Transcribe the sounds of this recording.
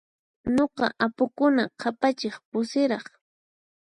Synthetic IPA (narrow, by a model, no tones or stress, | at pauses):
ɲoqɑ̰ʔapʊkʊnaqʰapat͡ʃɪχpʊsɪɾɑχ